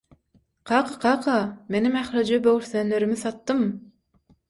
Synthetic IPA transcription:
qʰɑːqɑ̥qʰɑːqʰɑme̞nimæxɾɑd͡ʒɑbøwyɾθøːnːøɾymiθɑt̪ːɯm

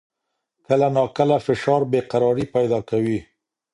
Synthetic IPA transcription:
kəlanɑkəlafɪʃɑɾbeqaɾɑɾipajd̪ɑkawi

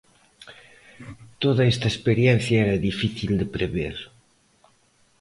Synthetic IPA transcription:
t̪oðaest̪aespeɾjɛnθjaɛɾɐðifiθild̪epɾeβḛɾ

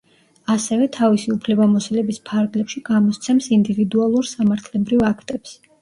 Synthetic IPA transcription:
asɛvɛt̪ʰavisiupʰlɛbamɔsɛlɛbispʰaɾɡlɛpʃiɡ̥amɔst̪sʰɛmsind̪ivid̪ualˠuɾsamaɾt̪ʰlɛbɾivakʰt̪ʼɛps

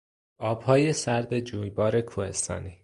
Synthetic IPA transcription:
ʔɒːb̥hɒːje̞sæɾd̪e̞d͡ʒuːjbɒːɾe̞kʰuːhe̞st̪ʰɒ̰ːniː

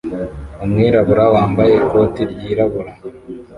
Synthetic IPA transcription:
umŋiːɾaβuɾawaːmbajeko̞ːtiɾɟiːɾaβuɾa

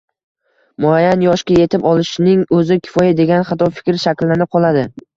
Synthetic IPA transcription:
mʊajːanjɒʃkʲaje̞t̪ʰɪpɒlˠɪʃnɪŋɵzɪkʲʰɪ̥fɒjad̪e̞ɡʲanχat̪ɒfɪ̥kʲɾʃakʲlːanɪp̚qʰɒlˠad̪ɪ

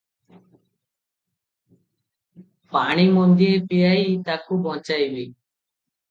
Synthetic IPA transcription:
paɽ̃imɔnd̪iepiajt̪akubɔ̃t͡ʃajbi

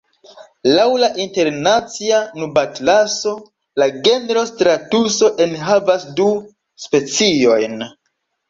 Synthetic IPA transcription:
lawlaʔinte̞ɾnat͡sianubatlaso̞ | laɡe̞nɾo̞stɾatuso̞ʔe̞nɦavasdu | spe̞t͡sio̞jn

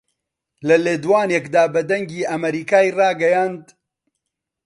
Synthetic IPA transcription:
lɐleːd̪waːnekd̪aːbɐd̪ɐŋɡiːʔɐmɐɾiːkaːjrɑːɡɐjaːnd̪

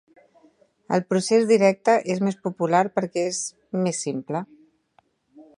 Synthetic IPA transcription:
ə̰lˠpɾusezd̪iɾɛk̚t̪əʔezmespupulaɾpəɾkɛez | mesːimplə

